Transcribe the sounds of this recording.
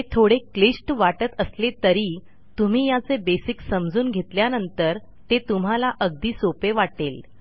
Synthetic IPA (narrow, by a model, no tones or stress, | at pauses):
et̪ʰoɽeklisʈʋaʈət̪əslet̪əɾiː | t̪um̤iːjat͡sebesiksəmd͡zuːnɡʱet̪ljanənt̪əɾ | t̪et̪um̤alaʔəɡ̚d̪iːsopeʋaʈel